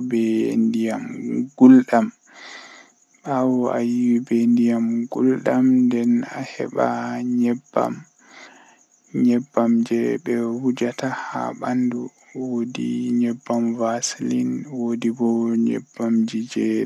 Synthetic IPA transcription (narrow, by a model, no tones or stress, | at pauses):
bɛndijamɡulɗam | awɔa̰jiwibɛndijamɡulɗamndɛnahɛ̰ɓaɲɛbːa̰m | ɲɛbːamd͡ʒɛbɛhud͡ʒataha̰ɓandu | wodḭɲɛbːamvaslinwodibɔɲɛ̰bːamd͡ʒid͡ʒɛ